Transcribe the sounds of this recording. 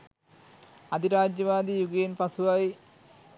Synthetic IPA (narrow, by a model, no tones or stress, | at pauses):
ɐd̪ʱiɾaːd͡ʑjɐʋaːd̪ijuɡeːnpɐsuʋaːi